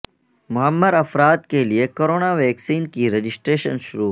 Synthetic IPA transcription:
mʊɦəmːəɾɐfɾaːt̪keliekoːɾoːnaːʋeːksiːnkiɾed͡ʒɪsʈɾeːʃənʃʊɾuː

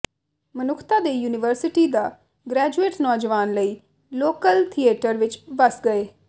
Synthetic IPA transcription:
mənʊkʰt̪aːd̪eːjuːnɪʋəɾsɪʈiːd̪aː | ɡɾɛːd͡ʒueːʈnɔːd͡ʒəʋaːnləiː | loːkəlt̪ʰieːʈəɾʋɪt͡ʃbəsɡəeː

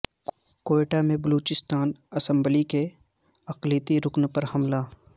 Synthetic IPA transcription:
koːeʈamẽbəluːt͡ʃɪst̪aːnɐsə̃mblike | ɐqlit̪iɾʊknpɐɾhɐmla

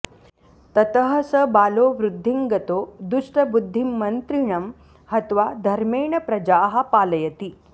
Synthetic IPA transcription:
t̪ɐt̪əɦəsəbaːloːʋɾud̪ʱːiŋɡɐt̪oːd̪uʂʈɐbud̪ʱːimːɐnt̪ɾiɳɐm | hɐt̪ʋad̪ʱɐɾmeːɳɐpɾɐd͡ʒaːɦapaːlɐjɐt̪i

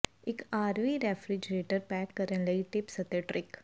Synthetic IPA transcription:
ɪkaːɾʋiɾefɾɪd͡ʒɾeːʈəɾpɛːkːəɾə̃nlɐiʈɪpsət̪eʈɾɪk

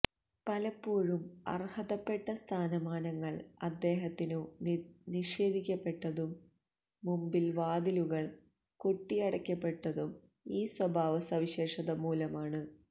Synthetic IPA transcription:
pɐlɐpːoːɻumɐ̰rhɐðɐpːe̞ʈːɐst̪ʰaːnɐmaːnɐŋːɐɭɐ̰d̪ːe̞ːɦɐt̪ːinuniʂe̞ːd̪ʱikʲːɐpːe̞ʈːɐðumː | umbilʋaːd̪iluɣɐɭ | ko̞ʈːijɐɽɐkʲːɐpːe̞ʈːɐðum | iːswɐbʱaːʋɐsɐʋiɕe̞ːʂɐðɐmuːlɐmaːɳɨ

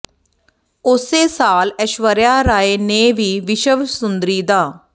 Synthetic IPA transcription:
ʊseːsaːləʃʋəɾjaːɾaːeːneːʋiːʋɪʃəʋsʊnd̪ɾiːd̪aː

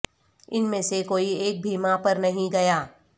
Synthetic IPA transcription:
ɪnmẽːsekoːieːk̚bʱiːmapɐɾnɐɦĩɡɐjaː

